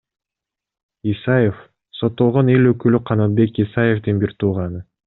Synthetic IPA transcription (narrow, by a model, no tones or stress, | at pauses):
isajef | so̞t̪ːo̞lˠʁo̞ne̞løkylyqʰɑnɑt̪̚be̞kisajefd̪ɯnbiɾt̪ʰuːʁɑnɯ